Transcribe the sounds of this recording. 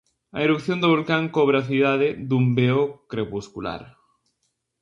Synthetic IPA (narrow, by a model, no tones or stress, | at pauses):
ɐ̰eɾukθjond̪oβolkaŋkoβ̞ɾaθiðaðeðumbeokɾepuskula̰ɾ